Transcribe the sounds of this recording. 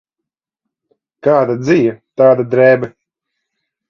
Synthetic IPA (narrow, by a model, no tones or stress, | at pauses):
kaːd̪ad̪zijat̪aːd̪ad̪ɾɛːbɛ